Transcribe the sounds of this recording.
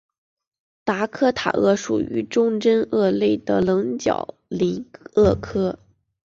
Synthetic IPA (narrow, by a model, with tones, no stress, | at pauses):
t̪a˧˥kʰɤ˥t̪ʰa̰˨˩ɤ˥˩ʂṵ˨˩y̰˧˥ʈ͡ʂʊ˥ŋʈ͡ʂə˥nɤ˥˧le˥˩ɪd̪ə˩lɤ˧˥ŋt͡ɕjɑ̰˨˩ʊ | li˧˥ɤ˥˩kʰɤ˥